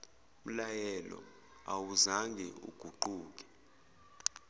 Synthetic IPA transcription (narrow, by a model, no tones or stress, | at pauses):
m̩lajɛlɔ̰ | awuzaŋɡʱɛṵɡ̥ʱuǃuːk̬ɛ̥